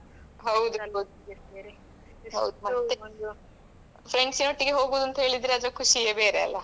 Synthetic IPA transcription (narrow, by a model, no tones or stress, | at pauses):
ɦɐwd̪u | ɦɐ̰wd̪umɐt̪ːen | fɾeɳɖsinoʈːiɡeɦoːɡuːd̪uɐnt̪ɐɦeːɭid̪ːɾeɐd̪ɾɐkʰuʃijɐbeːɾeɐ̰lːɐ